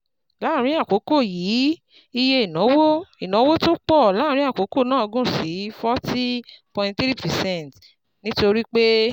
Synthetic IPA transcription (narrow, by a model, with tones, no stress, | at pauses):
la˨˦˨ɾ̃ĩ˦a˦˨ko˨˦ko˦˨jiː˨˦ | i˧je˧i˨nɔ̃˨˦wo˦i˨nɔ̃˨˦wo˦to˦k͡pɔ˦˨la˨˦˨ɾ̃ĩ˦a˦˨ko˨˦ko˦˨nãː˦ɔ˧ɡũ˦˨si˨˦fɔ˦ti˦pɔ̃˨ĩ˧ntθɾi˦˨pɛ˨sɛ̃˦˨nt | nĩ˦to˧ɾi˦k͡pe˦